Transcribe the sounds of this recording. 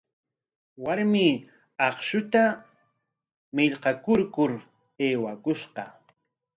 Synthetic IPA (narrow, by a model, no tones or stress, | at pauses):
waɾmɪ | ɑχʃʊt̪a | mɪʎqɑkʊɾkʊɾ | eːwakʊʃqɑ